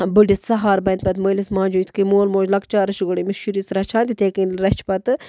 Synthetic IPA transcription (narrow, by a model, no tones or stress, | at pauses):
bɨɖʲit̪sɐɦaːɾbɐnt̪̚pɐt̪mojlismãːd͡ʒuːjt̪ʰkɨmoːlmoːd͡ʒlɐkt͡ʃaːɾɨʃɡuɽimiʃuɾisɾɐt͡ʃʰaːnt̪ʲit̪eːkinɾɐt͡ʃʰpɐt̪ɨ